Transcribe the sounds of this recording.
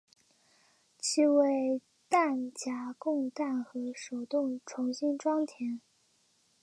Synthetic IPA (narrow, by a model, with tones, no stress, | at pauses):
t͡ɕʰi˥we˥˩ɪ | t̪a˥˩nt͡ɕja˧˥kʊ˥˧ŋt̪a˥˩nxɤ˧˥ʂo˨˩ʊt̪ʊ˥˩ŋʈ͡ʂʰʊ˧˥ŋɕi˥nʈ͡ʂwɑ˥ŋt̪ʰjɛ˧˥n